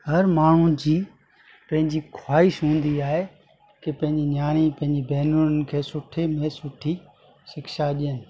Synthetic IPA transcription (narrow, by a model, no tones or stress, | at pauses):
hɐɾmaːɳ̤ũd͡ʑiː | pɐ̃ɦɪ̃ɲd͡ʑiːkʰwaːɪʃɦũːn̆d̪iaːɦe | kɪpɐ̃ɦɪ̃ɲd͡ʑinjaːɽ̃ipɐ̃ɦɪ̃ɲd͡ʑibɛːnunn̆kʰeːsʊʈʰemẽsʊʈʰi | ʃɪkʃaɗɪjənɪ̆